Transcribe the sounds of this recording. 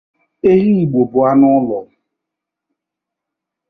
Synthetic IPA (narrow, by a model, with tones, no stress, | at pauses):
e˦ɣi˦i˨ɡ͡bo˨bʊ˨a˦nʊ˦lɔ˨